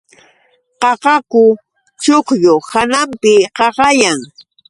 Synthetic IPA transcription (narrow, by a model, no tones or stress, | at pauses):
qɑɢɑkʊ | t͡ʃoqjohanampɪqɑɢɑjaŋ